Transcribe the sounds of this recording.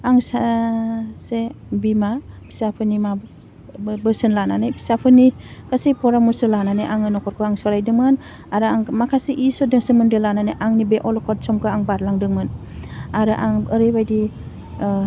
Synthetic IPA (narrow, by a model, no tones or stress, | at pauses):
aŋsa | sebimabi̥sapʰɯnima | bɯsɯnlananɯjbi̥sapʰɯni | kʰasejpʰɔɾamusɯlananɯjʔaŋɯnɔkʰɔɾkʰɯaŋsɔɾajdɯŋmɯn | aɾɯaŋmakʰaseʔisɔdɯŋsemɯndɯlananɯʔaŋnibeʔɔlɔkʰɔt̚sɔmkʰɯaŋbaɾlaŋdɯŋmɯnaɾɯʔaŋɯɾɯjbajdi